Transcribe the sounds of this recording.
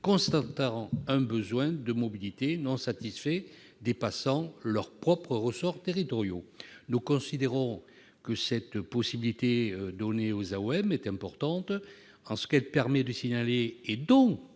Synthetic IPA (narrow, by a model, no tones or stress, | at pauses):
kɔ̃st̪at̪ɑ̃ɛ̃bəzwɛ̃d̪əmɔbilit̪enɔ̃sat̪isfɛ | d̪epasɑ̃lœʁpχɔpχəʁəsɔʁt̪eʁit̪ɔʁjonukɔ̃sid̪eʁɔ̃ | kəsɛt̪pɔsibilit̪eød̪ɔneozaoɛmɛt̪ɛ̃mpɔʁt̪ɑ̃t̪ | ɑ̃sə̥kɛlpɛʁmɛd̪əsiɲaleːd̪ɔ̃